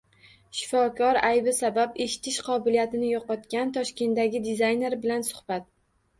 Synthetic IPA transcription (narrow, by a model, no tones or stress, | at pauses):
ʃɪ̥fɒkʰɒɾajbɪsabape̞ʃɪ̥t̪ʰɪʃqʰɒbɪlijat̪ɪnɪjɒqɒt̪kʲant̪ʰɒʃkʲe̞nd̪aɡʲɪd̪ɪzajne̞ɾbɪlansʊ̥hb̥at̪̚